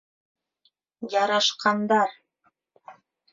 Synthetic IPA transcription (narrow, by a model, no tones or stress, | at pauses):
jɑɾɑʃqɑnd̪ɑɾ